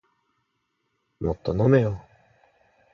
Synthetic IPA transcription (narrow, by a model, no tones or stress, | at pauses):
mʔot̪ːonomejo